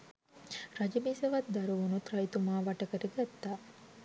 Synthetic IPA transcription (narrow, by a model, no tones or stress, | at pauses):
ɾɐd͡ʒɐmisɐʋɐt̪̚d̪ɐɾuʋunut̪ɾɐjit̪umaːʋaɐʈɐkəɾeɡæt̪ːaː